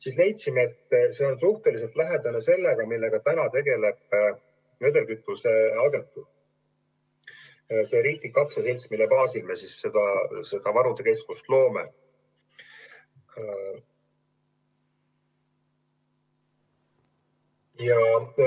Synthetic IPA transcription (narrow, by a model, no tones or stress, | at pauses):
sislejt̪simeet̪ːse̞o̞nsuht̪e̞lis̬e̞lt̪læɦe̞d̪ɑnese̞lːeɡ̥ɑmilːe̞ɡ̥ɑt̪ænɑt̪e̞ɡe̞le̞b̥ | ve̞d̪e̞lkyt̪ˑːuse̞ɑɡe̞nt̪ːu | se̞ɾiːt̪ːˑikɑkseselt̪smilːepɑːsilmesisːe̞d̪̥ɑse̞d̪̥ɑvɑɾud̪eke̞skust̪lo̞ːme̞̰ | jɑ